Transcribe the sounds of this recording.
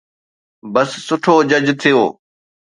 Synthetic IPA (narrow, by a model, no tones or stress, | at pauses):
bəsːʊʈʰoːd͡ʑəd͡ʑt̪ʰɪjoː